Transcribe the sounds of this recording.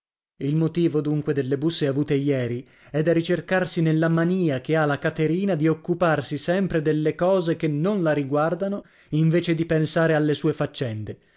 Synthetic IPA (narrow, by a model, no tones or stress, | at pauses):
ilmot̪iːvod̪uŋkwed̪elːebusːeavuːt̪ejɛːɾi | ɛd̪aɾit͡ʃerkarsinelːamaniːakealakat̪eɾiːnad̪iokːuparsisɛmpɾed̪elːekɔːzekenːonlaɾiɡward̪ano | iɱveːt͡ʃed̪ipensaːɾealːesuːefat͡ʃːɛnd̪e